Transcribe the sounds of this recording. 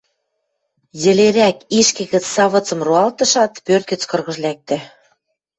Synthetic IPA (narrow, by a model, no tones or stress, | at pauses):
jɘ̆leɾækiʃkĕɣə̆t͡ssɑβɤ̆t͡sɤ̆mruɑlt̪ɤ̆ʃɑt̪pørt̪̚kə̆t͡skɤ̆rɣɤ̆ʒlæk̚t̪ĕ